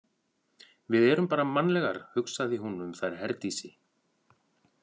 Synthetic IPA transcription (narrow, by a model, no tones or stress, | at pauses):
vɪðɛːɾʏmpaːɾamanlɛɣaɾ̥hʏksaðɪɦunʏmθajɾ̥ɦɛɾt̪isɪ